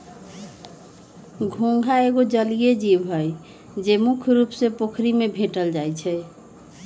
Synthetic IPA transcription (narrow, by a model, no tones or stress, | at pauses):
ɡʱõŋɡʱaeɡod͡ʒəlijed͡ʒibɦəj | d͡ʒemukʰɾupsepokʰɾimebʱeʈəld͡ʒajt͡ʃʰɛ